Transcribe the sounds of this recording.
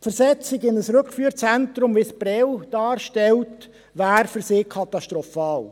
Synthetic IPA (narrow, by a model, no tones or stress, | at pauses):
tfəɾsɛt͡sɪɡɪnəsɾɵkfyːɾt͡sɛntɾʊmʋisb̥ɾɛwd̥ɑːɾʃtɛlt | ʋæːɾfyɾsɪːkʰɑtɑʃtɾɔfɑːl